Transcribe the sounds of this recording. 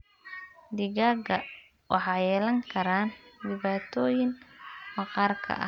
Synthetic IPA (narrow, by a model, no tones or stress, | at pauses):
d̪ɪɣaːɡɐ | wʔɑħɑːjɛːlɐŋkʰɐɾaːndɪβaːt̪ʰɔːjɪŋmɑqɑːrkʰɐ̰ʔɐ̰